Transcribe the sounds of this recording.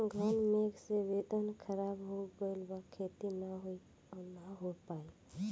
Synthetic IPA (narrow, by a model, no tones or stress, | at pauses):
ɡʱənmeksiʋeːd̪ənkʰəɾaːbɦoɡəilbakʰːeːt̪inaɦoi | ɔnaɦopaːi